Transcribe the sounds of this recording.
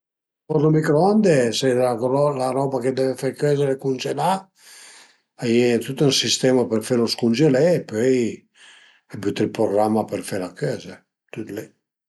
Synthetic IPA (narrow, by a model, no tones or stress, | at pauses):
pɔɾlomikɾoand̪eseaɔlaɾɔbaked̪ɛvefeɾkøzeɾɛkund͡ʒela | ajɛt̪ut̪ɛnsist̪ɛmapeɾfeɾoskund͡ʒelɛːpøj | ɛbyt̪ilpɾoɡɾamːapeɾfeɾlakøze | t̪ut̪lɛ